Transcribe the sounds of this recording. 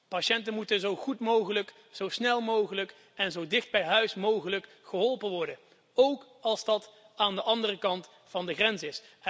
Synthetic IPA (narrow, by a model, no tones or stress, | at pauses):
paʃɛntənmutənzowχutmowχələk | z̥owsnɛlˠmowχələk | ɛnzowdɪχd̚bɛjɦœɥsmowɣələk | χəɦɔlˠpənʋɔɹdən | owk | ɑlˠzdɑt | aːndəʔɑndərəkɑnt | fɑndəχrɛnzɪs